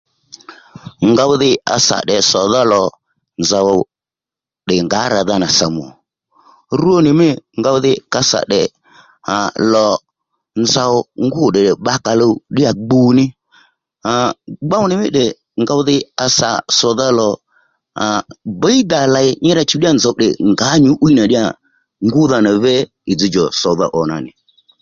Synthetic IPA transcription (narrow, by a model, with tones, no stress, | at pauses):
ŋɡa˧wðɪ˧a̰˧sa̰˨ɗɛ˨sɔ˨ða˦lɔ˨ | nza˨wɔ˨ | ɗɪ˨ŋɡa˨˦ɾa˨ða˦na˨sa˨m˨ɔ̰˨ | ɾu˦o˦nɪ˨mɪ˦ŋɡa˧wðɪ˧ka˧sa̰˨ɗɛ˨ | a˨lɔ˨ | nza˧wɔ˧ŋɡʊ˦˨ɗɪ˨ɗɪ˨ɓa˦ka˧lo˧˦ɗɪ˦a˨ɡ͡bu˦˨nɪ˦ | a˨ɡ͡ba˦wnɪ˨mɪ̰˦ɗɛ˨ | ŋɡa˧ʊ˦ðɪ˦a˧sa̰˨sɔ˨ða˦lɔ˨ | a˨ba˨˦i˦d̪a˨la˨ɪ˦ɲɪ˦ɾa˧t͡ʃu˦ɗɪ˦a˦˨nza˨ʊ˨ɗɛ̰˨ŋɡa˨˦ɲu˨˦ʔu˦i˦na˨ɗɪ˦a˨ | ŋɡʊ˦ða˧na˨vɛ˦ | ɪ˨d͡zi˨˦d͡ʒɔ˨sɔ˨ða̰˦˨ʔɔ˨na̰˨nɪ̰˨